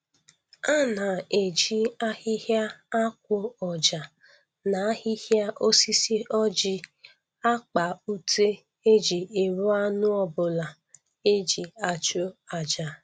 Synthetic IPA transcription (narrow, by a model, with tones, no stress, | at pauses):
a˦na˨e˨d͡ʒi˦a˦hɪ˦hja˦a˦kʷʊ˦ɔ˨d͡ʒa˨ | na˨a˦hɪ˦hja˦ʔo˦si˦si˦ʔɔ˦d͡ʒɪ˦ | a˦k͡pa˨u˦tʰe˦ | e˦d͡ʒi˨e˨ɾu˦a˦nʊ˦ɔ˦bʊ˨la˨ | e˦d͡ʒi˨a˨t͡ʃo˦a˨d͡ʒa˨